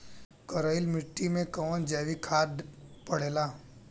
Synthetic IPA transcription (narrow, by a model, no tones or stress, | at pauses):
kəɾəɪlmɪʈːimẽkɔʋnd͡ʒɛːʋikʰaːdpəɽ̤eːlaː